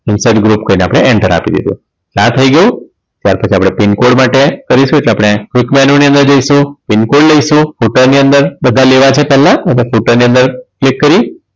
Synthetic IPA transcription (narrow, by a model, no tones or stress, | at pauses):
ɪnsajɖɡɾupkəineapɽ̃eʔɛɳʈəɾa̰pḭd̪ḭd̪ṵ̃ | t͡ʃãt̪ʰəiɡəjũ | t̪jaɾpət͡ʃʰiapɽ̃epɪnkoɽmaʈekəɾiʃũeʈleapɽ̃ekʋɪkmɛnoniə̃nd̪əɾd͡ʒəiʃũpɪnkoɽləiʃũfuʈəɾniənd̪əɾbəd̪ʱaleʋat͡ʃʰepɛlːãat̪efuʈəɾniənd̪əɾklikːəɾi